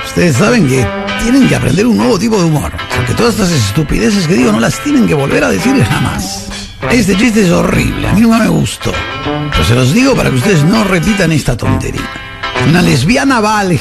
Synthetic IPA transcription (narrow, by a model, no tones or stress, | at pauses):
u̥st̪eðes̬ːaβeŋke | t̪je̞neŋkeapɾḛnd̪e̞ɾunːwe̞βot̪̬ipoðeumo̰ɾpoɾket̪o̞ðasesas̬est̪upḭðes̬es̬keðiɣo̞nolast̪jenẽŋkeβo̞lβeɾaðesiɾlezna̰ma̰s | est̪et͡ʃis̬t̪ees̬orḭβlḛa̰mĩnũŋkameɣṵst̪o̰peɾoselo̞zðiɣopaɾa̰keust̪eezno̞repit̪anest̪at̪o̞̰nt̪e̞̰ɾḭa | unalezβianaβal